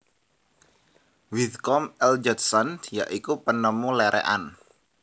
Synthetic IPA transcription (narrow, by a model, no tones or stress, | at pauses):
wid̪kɔmɛld͡ʒɛt̪sɔnjaʔikupənəmulɛɾʔɛ̰ʔa̰n